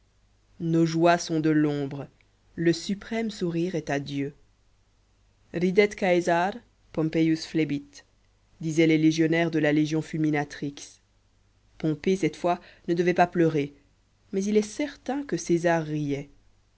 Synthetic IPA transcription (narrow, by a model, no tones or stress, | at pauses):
noʒwasɔ̃d̪əlɔ̃bʁə | ləsypχɛmsuʁiʁɛt̪ad̪jø | ʁid̪ɛt̪kajzaʁ | pɔ̃mpejusflebit̪ | d̪izɛleleʒjɔnɛʁd̪əlaleʒjɔ̃fylminat̪χiks | pɔ̃pesɛt̪fwanəd̪əvɛpaplœʁe | mɛzilɛsɛʁt̪ɛ̃kəsezaʁːijɛ